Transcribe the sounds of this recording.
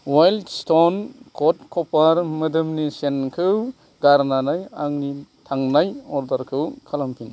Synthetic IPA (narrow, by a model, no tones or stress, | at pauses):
wajldstonkʰɔtkʰɔpaɾmɯdɯmnisenkʰɯw | ɡaɾnanajaŋnitʰaŋnajɔɾdɐɾkʰɯwkʰalampʰin